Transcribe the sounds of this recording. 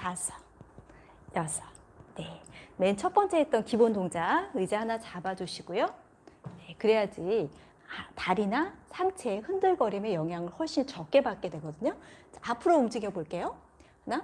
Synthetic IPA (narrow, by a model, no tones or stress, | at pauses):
asʰʌ̥ | jasʰʌ̥ | ne̞ment͡ɕʰʌt̚p͈ʌnt͡ɕ͈e̞ɦet̚t͈ʌnkibondoŋd͡ʑaɯd͡ʑeɦanat͡ɕabad͡ʑuɕʰiɡ̥ojo | ne̞kɯɾe̞jad͡ʑi | ataɾinasʰaŋt͡ɕʰe̞hɯndɯɭɡʌɾime̞jʌŋɦjaŋɯɭhuɭɕ͈int͡ɕʌk͈̚e̞bak̚k͈e̞dwe̞ɡʌdɯɲoapʰɯɾoumd͡ʑiɡjʌboɭk͈e̞jo | hna